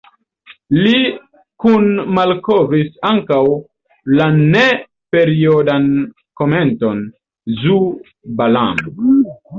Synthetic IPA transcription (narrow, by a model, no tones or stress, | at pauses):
li | kunmalkovisaŋkaw | lane | pe̞ɾiodan | ko̞me̞nto̞n | zu | balamo